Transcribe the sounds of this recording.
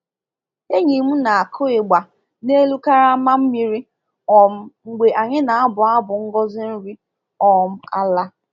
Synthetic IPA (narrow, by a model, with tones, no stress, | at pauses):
e˦ɲi˨mu˦na˨a˨kʰʊ˦ɪ˨ɡ͡ba˨ | ne˦lu˦ka˦ɾa˦ma˦m̩˦mi˦ɾi˦ | ɔ˨m̩˦ŋ͡m̩˨ɡ͡be˨ʔa˨ɲɪ˦na˨a˦bʊ˨a˦bʊ˨ŋ̩˦ɡɔ˦zɪ˦n̩˦ɾi˦ | ɔ˨m̩˦a˦la˦